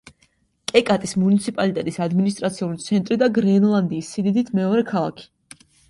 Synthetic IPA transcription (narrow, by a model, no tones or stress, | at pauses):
kʼɛkʼat̪ʼismunit̪sʰipʼalit̪ʼɛt̪ʼisad̪minis̬t̪ʼɾat̪sʰiulit̪sʰɛnt̪ʼɾid̪aɡɾɛnlˠand̪iːsːid̪id̪it̪ʰmɛɔɾɛkʰalˠa̰kʰi̥